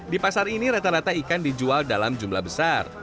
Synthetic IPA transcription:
dipasaɾiniɾat̪aɾat̪aikandid͡ʒualdalamd͡ʒumla̰hbəsar

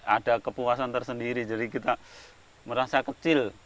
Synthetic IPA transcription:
adakəpuasant̪ərsəndiɾid͡ʒadikit̪a | məɾasakət͡ʃɪl

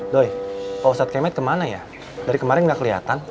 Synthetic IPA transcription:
dojpasat̪̚kemɛt̪kəmanaja | daɾikəmaɾɪnɡakəliɦa̰t̪an

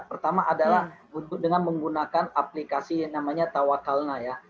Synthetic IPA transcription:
pərt̪amaʔadalahbut̪ʊk̚dəŋanməŋɡunakanaplikasinamaɲat̪awakalnaja

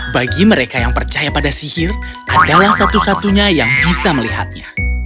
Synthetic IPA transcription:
baɡiməɾekajaŋpərt͡ʃajapadasihir | adalahsat̪usat̪uɲajaŋbisaməliɦa̰t̪̚ɲa̰

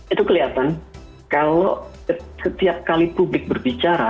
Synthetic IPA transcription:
it̪ukəliat̪an | kalo | sət̪iap̚kalipublɪk̚bərbit͡ʃaɾa

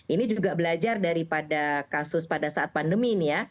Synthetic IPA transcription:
ʔinid͡ʒuɡabəlad͡ʒardaɾipadakasʊspadasaʔat̪̚pandəminija

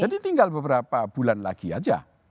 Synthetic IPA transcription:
d͡ʒadit̪iŋɡalbəbəɾapab̥ulanla̰ɡia̰d͡ʒa̰

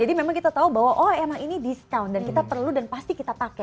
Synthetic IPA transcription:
d͡ʒadimemaŋkit̪at̪aubawaʔɔemaŋinidiskawndankit̪apərludanpast̪ikit̪apakɛ

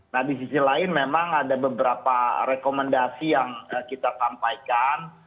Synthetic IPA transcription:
nahdisisilaɪnmemaŋadabəbəɾapaɾekoməndasijaŋəkit̪asampaikan

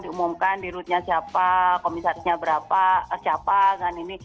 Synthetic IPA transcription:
diumumkandiɾut̪̚ɲasiapakomisaɾisɲabəɾapasiapaɡanini

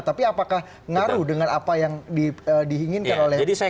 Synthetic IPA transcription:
t̪apiapakah | ŋaɾuhdəŋanapajaŋdiədiɦiŋɪnkanolɛd͡ʒadisa

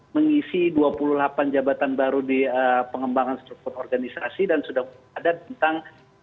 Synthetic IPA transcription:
məŋisiduapululapand͡ʒabat̪anbaɾudiəpəŋəmbaŋanst̪ɾuk̚t̪urɔrɡanisasidansudahbadabənt̪aŋ

